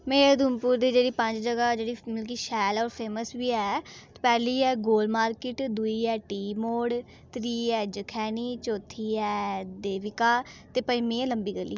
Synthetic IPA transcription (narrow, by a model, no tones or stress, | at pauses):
meːɾd̪uːmpʊːɾd̪iːd͡ʒeːɽiːpəɲd͡ʒd͡ʒəɡaːd͡ʒeːɽiːmɪlk̬iːʃɛːlɔːɾpʰeːməsbiːɛːt̪pɛːliːɛːɡoːlmaːɾkɪʈd̪uiːɛːʈiːmoːɽ | t̪ɾiːɛːd͡ʒəkʰɛːniːt͡ʃoːt̪ʰiːɛːd̪eːʋɪkaːt̪eːpəimiːɛləmbiːɡəlːḭː